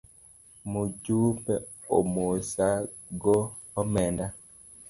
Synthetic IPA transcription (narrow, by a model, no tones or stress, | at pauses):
mud͡ʒupɛ | omosa | ɡɔː | mɛnda